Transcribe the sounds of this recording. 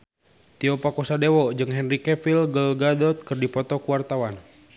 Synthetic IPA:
t̪iɔpakɔsadewɔd͡ʒɨŋɦɛnrikɛfilɡəlɡadɔt̪̚kɨrdipɔt̪ɔkuwart̪awan

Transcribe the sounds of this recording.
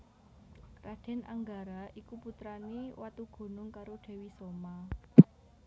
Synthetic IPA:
rad̥ɛ̤nʔa̰ŋɡaɾaʔikuput̪ɾaniwat̪uɡ̥o̤nʊŋkaɾoɖ̥e̤wisoma

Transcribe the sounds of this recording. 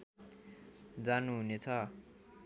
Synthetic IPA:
d͡zanuɦunet͡sʰʌ

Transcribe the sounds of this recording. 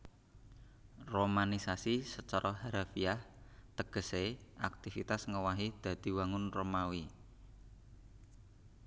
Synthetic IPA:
romanisasisət͡ʃaɾʔɔɦaɾafiaht̪əɡ̥ə̤seʔak̚t̪ifit̪asŋəwaɦid̪̥ä̤d̪̥i̤waŋʊnromawi

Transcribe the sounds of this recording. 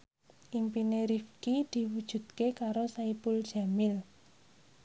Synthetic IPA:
ʔimpineɾifkid̪̥i̤wud̥ʒ̥ṳt̪̚kekaɾosaipuld̥ʒ̥a̤mɪl

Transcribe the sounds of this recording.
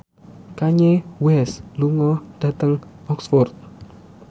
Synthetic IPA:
kaɲewɛsluŋɔɖ̪̥ä̤t̪əŋɔksfɔrt̪̚

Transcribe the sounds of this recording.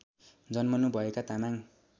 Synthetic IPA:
d͡zʌnmʌnubʱʌekat̪amaŋ

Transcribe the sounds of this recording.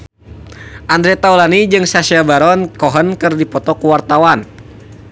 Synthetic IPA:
ʔand̪ɾɛt̪aulanid͡ʒɨŋsasiabaɾɔnkɔɦənkɨrdipɔt̪ɔkuwart̪awan

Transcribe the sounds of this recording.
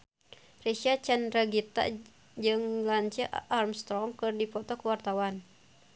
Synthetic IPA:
resiat͡ʃɛnɾaɡit̪a̰ | d͡ʒɨŋlaɲt͡ʃəʔʔarmst̪ɾɔŋkɨrdipɔt̪ɔkwart̪awan

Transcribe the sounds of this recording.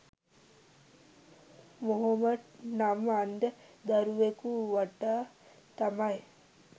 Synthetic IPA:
moɦɐmɐdnamand̪əd̪ɐɾuʋekuʋaʈaː | t̪ɐmɐj

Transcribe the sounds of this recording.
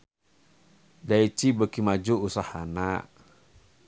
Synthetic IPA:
dait͡ʃibəkimad͡ʒuusahana

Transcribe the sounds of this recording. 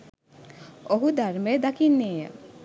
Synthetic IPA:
oɦud̪aɾmejd̪akinːeːjə̰

